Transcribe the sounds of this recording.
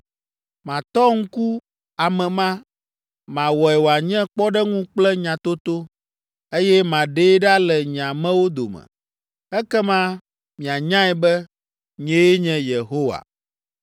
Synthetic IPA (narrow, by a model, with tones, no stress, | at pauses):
mã˨t̪ɔ˦ŋ̩˦ku˦ | a˨mɛ̃˨mã˦ | mã˨wɔ˨ɛ˨wo˨a˨ɲɛ̃˦k͡pɔ˦ɖɛ˦ŋũ˦k͡plɛ˦ɲã˨t̪o˦t̪o˦ | e˦jɛ˦mã˨ɖe˦ɖa˦lɛ˨ɲ˨ã˨mɛ̃˦wo˦d̪o̰˨mɛ̰˨ | ɛ˦kɛ˦mã˦ | mĩ˨a˨ɲã˦ɛ˨bɛ˦ | ɲɛ̃˦e˦ɲɛ̃˦je˨ɦo˦wa̰˨